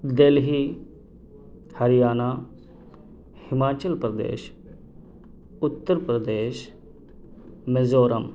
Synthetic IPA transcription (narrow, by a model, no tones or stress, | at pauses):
d̪elɦiː | hɐɾijaːnaː | hɪmaːt͡ʃəlpɾɐd̪ḛːʃ | ʊt̪ːəɾpɾəd̪eːʃ | mezoːɾɐm